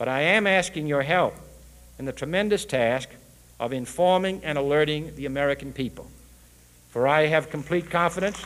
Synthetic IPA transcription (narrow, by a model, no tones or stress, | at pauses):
b̥ʌɾaɪɨ̃mæskɪ̃ŋjə˞ɦɛlˠp | ɨ̃nðɨtʰɹ̥ɨmɛ̃ndɨstʰæsk | ʔʌvɨ̃ɱfɔɹmɪ̃ŋɨ̃ñəlɜ˞ɾɪ̃ŋðiɨmɛɹɨkn̩pipl̩ˠ | fə˞aɪɨv̥kʰm̩pʰl̥it̚kʰɑ̃ɱfɨɾɨ̃ns